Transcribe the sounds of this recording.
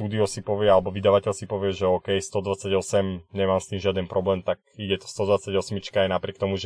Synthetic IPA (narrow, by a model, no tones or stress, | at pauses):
t̪uːd̪iɔsipɔʋɪɛalɛbɔʋid̪aʋacɛʎsipɔʋɪɛʒɛɔːkɛjst̪ɔd̪ʋat͡sːaɟɔsɛmɲɛmaːmst̪iːmʒɪad̪ɛnpɾɔblɛːmt̪ak̚iɟɛt̪ɔ̥st̪ɔd̪ʋat͡saɟɔsmit͡ʃkaajnapɾɪɛk̚t̪ɔmuʒɛ